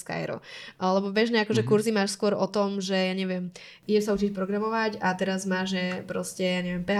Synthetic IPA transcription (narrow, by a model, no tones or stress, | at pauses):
ska̰jɾɔ̰ʔlɛbɔbɛʒnɛakɔʒɛkuɾzimaːʃskʊɔɾɔt̪ɔmʒɛjaːɲɛʋɪɛm | iɟɛʃsaut͡ʃicpɾɔɡɾamɔʋacat̪ɛɾazmaːʒɛpɾɔscɛjaːɲɛʋɪɛmpɛɦ